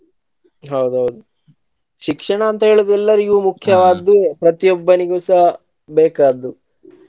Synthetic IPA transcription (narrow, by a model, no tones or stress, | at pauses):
ɦɐwd̪uɦɐwd̪u | ʃikʂɐɳɐːnt̪ɐɦeːɭud̪ɛlːɐɾiɡumukʰjɐʋaːd̪epɾɐt̪ijɔbːɐniɡosɐ | beːkaːd̪u